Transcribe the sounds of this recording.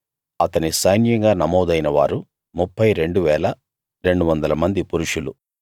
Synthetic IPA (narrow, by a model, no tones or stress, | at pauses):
ɐt̪ɐnisɐjnjɐŋɡaːnɐmɔːd̪ɐjnɐʋa̰ːɾu | mupːɐjɾe̞ɳɖuʋɛːlɐ | ɾe̞ɳɖuʋɐnd̪ɐlɐmɐnd̪ipuɾuʂulṵ